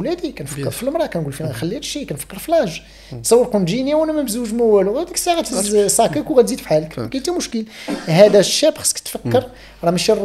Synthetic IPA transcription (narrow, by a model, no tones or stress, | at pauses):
læd̪ikænfəkːəɾˤfilmɾˤɑkænɡulfinæxəlːiæt̪ʃikænfə̥kːəɾˤfilæʒ | t̪sˤɑwːəɾkʊnʒinjæwænæmæbzuwʒmæwæluɣæd̪əksæɣæt̪əzsˤɑkækwɣæt̪zid̪fħaləkkænt̪imʊʃkəlɦæd̪æʃːæbxə̥skt̪fəkːəɾˤ | ɾˤɑmæʃirˤ